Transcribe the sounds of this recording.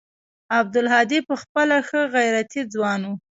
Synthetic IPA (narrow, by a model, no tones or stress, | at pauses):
ab̚d̪ʊlɦɑd̪ipəxpəlaxəɣajɾat̪id͡zwɑnu